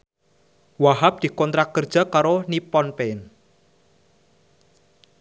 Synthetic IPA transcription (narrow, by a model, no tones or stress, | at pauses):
waɦap̚d̪̥i̤kɔnt̪ɾakːərd̥ʒ̥a̤kaɾonipɔnpeɪn